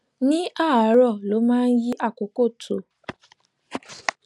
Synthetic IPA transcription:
nĩ˦a˦˨a˨˦ɾɔ˦˨lo˨˦mãː˦˧n̩˦ji˦ʔa˦˨ko˨ko˦˨tʰo˨˦

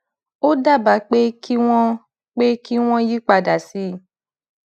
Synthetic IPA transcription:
o˦da˦˨ba˨˦k͡pe˦ki˦w̃ɔ̃˦ | k͡pe˦ki˦w̃ɔ̃˦ji˦k͡pa˧da˨si˨˦˨

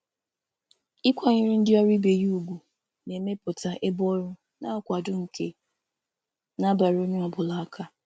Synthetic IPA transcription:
ɪ˦kʷa˦ɲɪ˦ɾi˦n̩˦dɪ˦ɔ˦ɾi˦be˨ju˦u˨ɡʷu˨ | ne˨me˦pʊ˨ta˨ʔe˦bɔ˦ɾʊ˦ | na˦kʷa˨dʊ˦ŋ̩˨kʰe˦ | na˦ba˨ɾo˦ɲe˦ɔ˨bʊ˨la˨a˦kʰa˦

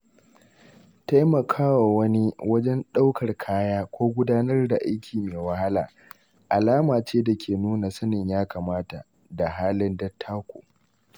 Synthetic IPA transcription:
ta˦jmɐ˨kʰaː˦wa˨wɐ˦ni˦wɐ˦d͡ʒɛ˦nɗa˦wkɐ˨rkʰaː˦jaː˦kʷoː˦ɡʷʊ˦daː˦nɐ˦rda˨ʔa˦jkʲʰiː˨meː˨wɐ˦ha˦la̰ː˨ | ʔa˨laː˦maː˨t͡ʃeː˦da˨kʲʰeː˨nuː˦na˨sɐ˦nɪ˨ɲjaː˦kaː˨maː˦ta˨ | da˨ɦaː˦lɪ˦ndɐ˦tʰːaː˦kʷo̰˨

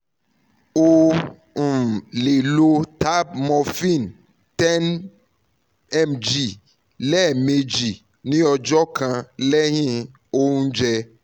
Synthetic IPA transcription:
o˧ | ũ˨le˨lo˧ta˦bmɔ˧fĩ˦˨n | tɛ˦n | ɛ˦md͡ʒi˨ | lɛ˦˨me˧d͡ʒi˨ | nĩ˦ɔ˧d͡ʒɔ˦kã˧lɛ˦ɦĩ˦ | o˦ũ˦d͡ʒɛ˧

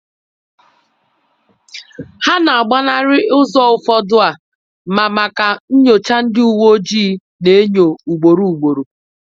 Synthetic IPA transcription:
ha˦na˨a˨ɡ͡ba˦na˦ɾɪ˦ʔʊ˦zɔ˦ʊ˨fɔ˦dʊ˦a˨ | ma˨ma˨ka˨n̩˦ɲo˨t͡ʃa˦n̩˦dɪ˦u˨wo˦d͡ʒiː˦ | ne˨e˦ɲo˨u˨ɡ͡bo˨ɾu˦u˨ɡ͡bo˨ɾu˨

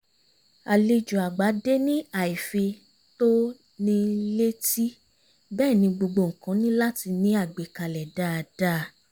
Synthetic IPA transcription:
a˨li˧d͡ʒu˨a˨ɡ͡ba˨˦de˦nĩ˦a˨i˨fe˧ | to˦ | nĩ˧le˦ti˦ | bɛː˦˨nĩ˧ɡ͡bo˧ɡ͡bo˧˨ŋ̩˨kã˨˦nĩ˦la˦ti˧nĩ˨˦a˦˨ɡ͡be˨ka˨lɛ˨da˦˨da˦˧

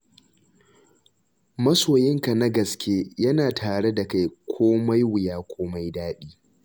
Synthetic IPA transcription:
mɐ˦soː˨jɪ˦ŋka˨na˦ɡɐ˨skʲeː˦jɐ˦naː˨tʰaː˨ɽe˦da˨ka˦jkʷʰoː˦ma˦jwɪ˨jaː˦kʷʰoː˦ma˦jdaː˦ɗiː˦

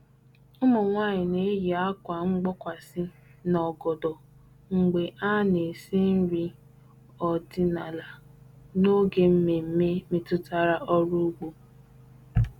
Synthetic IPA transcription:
ʊ˦mo˨ŋʷaː˦˨ɲɪ˨ne˦ji˨a˦kʷa˨ŋ͡m̩˦ɡ͡bɔ˦kʷa˨sɪ˦ | nɔ˨ɡɔ˨dɔ˨ | ŋ̩˨ɡ͡be˨ʔa˦ne˨si˦n̩˦ɾi˦ | ɔ˨dɪ˦na˨la˨ | no˦ɡe˦m̩˦me˨m̩˦me˦mi˦tʊ˦ta˦ɾa˦ʔɔ˦ɾu˦ɡ͡bo˦

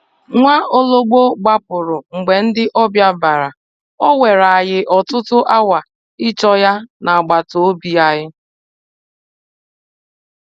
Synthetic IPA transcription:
ŋʷa˦o˦lo˦ɡ͡bo˦ɡ͡ba˦pʊ˨ɾʊ˨ŋ͡m̩˨ɡ͡be˨n̩˦dɪ˦ʔɔ˦bja˦ba˨ɾa˨ | ɔ˦we˨ɾa˨a˨ɣɪ˦ʔɔ˨tʊ˦tʊ˦ʔa˦wa˨ | ɪ˦t͡ʃɔ˦ja˦na˨a˨ɡ͡ba˨to˨o˦bi˨a˦ɦɪ˦

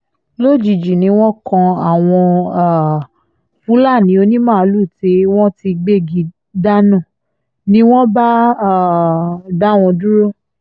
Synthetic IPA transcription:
lo˦˨d͡ʒi˨d͡ʒi˨nĩ˨˦w̃ɔ̃˦kã˧a˨w̃ɔ̃˧˨ | fũ˨˦la˦˨nĩ˨˦o˧nĩ˦mãː˦˨˧lu˦˨te˧˦w̃ɔ̃˦ti˧ɡ͡be˦˨ɡi˨˦ | da˦nã˦˨ | nĩ˦w̃ɔ̃˦ba˦˨ | da˦˨w̃ɔ̃˧du˦ɾo˦

